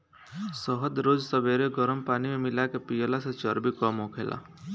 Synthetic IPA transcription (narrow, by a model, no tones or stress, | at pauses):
sɔɦəd̪ɾod͡ʒsəbeɾeɡɔɾmpanimemilakepijɔlaset͡ʃɔɾbikɔmɦokʰelʔa̰